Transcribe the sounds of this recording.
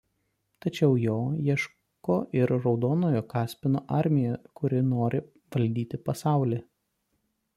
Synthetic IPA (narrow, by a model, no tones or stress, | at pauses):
t̪ɐt͡ʃʲɛʊjoːjiɛʃ | koːʔɪɾɾɒʊd̪oːnoːjoːkɑːsʲpʲɪnoːʔɑɾʲmʲɪjɛkʊɾʲɪnoːɾʲɪ | ʋɐlʲd̪ʲiːt̪ʲɪpɐsɑˑʊlʲeː